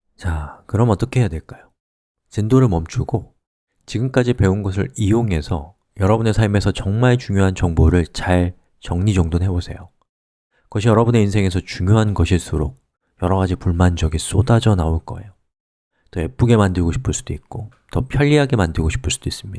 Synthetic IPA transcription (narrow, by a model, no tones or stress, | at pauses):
t͡ɕakɯɾʌmʌt͈ʌkʰeɦejadwe̞ɭk͈ajo | t͡ɕɯndoɾɯɭmʌmt͡ɕʰuɡo | t͡ɕiɡɯmk͈ad͡ʑipe̞unɡʌs̬ʰɯɾijoŋe̞sʰʌ | jʌɾʌbune̞sʰaɭme̞sʰʌt͡ɕʌŋmaɭt͡ɕuŋjoɦant͡ɕʌŋboɾɯɭt͡ɕaɭ | t͡ɕʌŋɲid͡ʑʌŋdonɦe̞bosʰe̞̰jo | kɡʌɕʰijʌɾʌbune̞insʰe̞ŋe̞sʰʌt͡ɕuŋjoɦanɡʌɕʰis͈uɾok̚ | jʌɾʌɣad͡ʑipuɭmand͡ʑʌɡis͈odad͡ʑʌnaoɭk͈ʌ̰e̞̰jo | t͈oe̞p͈uɡe̞mandɯɭɡoɕʰi̥pʰɯɭs͈ud̥oit̚k͈o | tʌpʰjʌʎːiɦaɡe̞mandɯɭɡoɕʰi̥pʰɯɭs͈ud̥ois͈ɯmɲidaa